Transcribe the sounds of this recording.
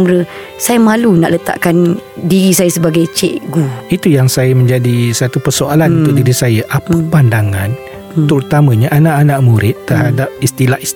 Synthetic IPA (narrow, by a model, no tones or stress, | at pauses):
mɾə | sajamalunaʔlət̪a̰ʔkandiɾisajasəbaɡajt͡ʃɛ̰ʔɡuit̪ujaŋsajamə̃ɲd͡ʒadisat̪upərsoalannt̪uʔdiɾisajaʔapəpandaŋan | t̪əɾut̪amə̃ɲaʔanãʔanaʔmuɾɪt̪ːərhadap̚ist̪ilaʔis